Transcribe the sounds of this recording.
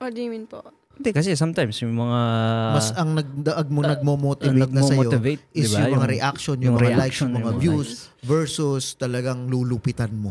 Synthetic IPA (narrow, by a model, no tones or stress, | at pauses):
ʔod̪imɪnpo | ɪnd̪ɛkɐsɛsamt̪ajmsjʊŋmɐŋammɐsʔɐŋnɐɡ̚ɐɡ̚monɐɡ̚momoːt̪ɪvejt̪ɐsɐjo̞ɪvejt̪̚ʔɪsbajʊmɐŋaɾɛʔak̚ʃonjʊŋmɐɛalajksjʊŋmɐŋabjus | vɛɹsust̪ɐlɐɡaŋluːlupɪt̪ɐnmo